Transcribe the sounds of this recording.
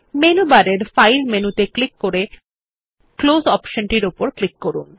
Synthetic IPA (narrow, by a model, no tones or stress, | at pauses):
menubaɾeɾfajlmenut̪eklikːoɾe | klozɔpʃonʈiɾupoɾklikːoɾun